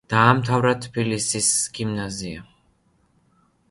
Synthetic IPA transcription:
d̪̥aːmt̪ʰavɾat̪ʰːpilisisɡ̥imnazia̰

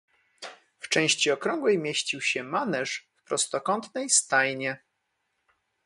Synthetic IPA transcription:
ft͡ʂɛ̃w̃ɕt͡ɕiɔkɾɔ̃ŋɡwɛjmʲjeɕt͡ɕiwɕɛmanɛʂfpɾɔst̪ɔkɔnt̪nɛjst̪ajɲɛ

